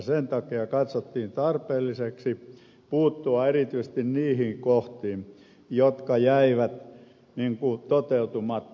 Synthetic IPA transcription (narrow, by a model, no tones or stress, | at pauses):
sent̪ɑkiɑkɑt̪sot̪ːiːnt̪ɑrpeːlːiseksi | puːt̪ːuɑerit̪yist̪inniːhiŋkoht̪iːm | jot̪kɑjæiʋæt̪ | niŋkut̪ot̪eut̪umɑt̪ː